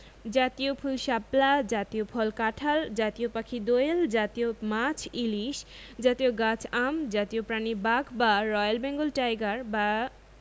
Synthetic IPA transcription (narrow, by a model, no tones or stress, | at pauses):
d͡ʑat̪iopʰulʃaplad͡ʑat̪ijopʰɔlkaʈʰald͡ʑat̪ijopakʰid̪ojeld͡ʑat̪iomat͡ɕʰiliʃ | d͡ʑat̪ijoɡat͡ɕʰamd͡ʑat̪ijopɾanibaɡʰbaɾɔjalbɛŋɡolʈajɡaɾba